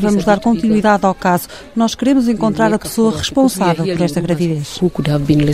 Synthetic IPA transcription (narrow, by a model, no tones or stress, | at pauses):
vɐmuʒðaɾkõnt̪inwiðaðawkazu | nɔʃkɨɾemuzẽŋkõnt̪ɾaɾɐpɨ̥soɐʁɨʃpõsavɛlˠpɔɾɛʃt̪ɐɣɾɐviðeʃukud̪avbinlˠe